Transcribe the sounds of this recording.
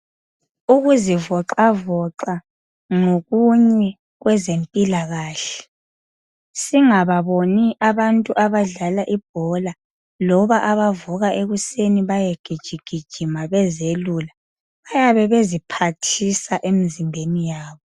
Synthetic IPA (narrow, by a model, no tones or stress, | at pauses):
uɣuzivɔǃavɔǃa | ŋoɣuɲɛ | ɣwɛzempʼilaɣaːɬɛ̥ | siŋaβaβoniʔaβantʼuʔaβaɮalaʔib̥̚ʱɔla | lɔβaʔaβavuɣaʔeɣuseniβajeɡ̥ʱid̥ʒ̥ʱiɡ̥ʱid̥ʒ̥ʱimaβɛzelula | βajaβɛβezipʰatʰisaʔemizimbʱenijaːβɔ